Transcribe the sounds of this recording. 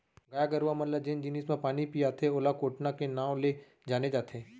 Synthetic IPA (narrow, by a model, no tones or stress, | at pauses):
ɡaːjaɡəɾuʋamɐləd͡ʒɪnd͡ʒɪnismãpaːnipijaːt̪ʰeoːlakoːʈnakenaːw̃le | d͡ʒaːned͡ʒaːt̪ʰeː